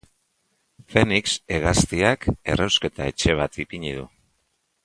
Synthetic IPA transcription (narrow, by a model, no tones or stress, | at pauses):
fe̞nikse̞ɣast̪iake̞̰rewske̞t̪ae̞t͡ʃe̞β̞at̪ipiɲiðṵ